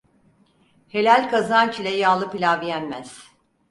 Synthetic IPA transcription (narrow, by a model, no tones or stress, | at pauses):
he̞lʲælʲkazant͡ʃʰilʲɛjaːlˠɯpilʲaːbijænmæz̥